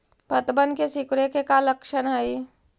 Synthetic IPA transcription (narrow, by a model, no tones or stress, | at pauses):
pɐt̪bənkesɪkɽekekalɐkʃənai